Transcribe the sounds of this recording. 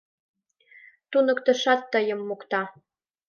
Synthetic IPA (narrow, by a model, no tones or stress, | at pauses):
t̪unə̆kt̪ə̆ʃɑt̪ːəjə̆mːukt̪ɑ